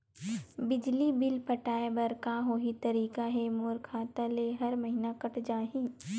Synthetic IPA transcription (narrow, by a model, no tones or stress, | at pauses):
bɪd͡ʒlibɪlpɐʈaːebɐɾkaɦoɦit̪ɐɾiːkaɦɛmoːɾkʰaːt̪aleɦɐɾmɐɦinakɐʈd͡ʒaːɦĩː